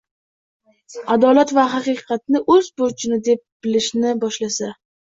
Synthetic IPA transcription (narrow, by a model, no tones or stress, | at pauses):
ad̪ɒlat̪vaɦɑqɨqʰɑt̪̚nɪʔɵzbʊɾt͡ʃʰɪnɪd̪e̞p̚b̥ɪlɪʃnɪbɒʃlasa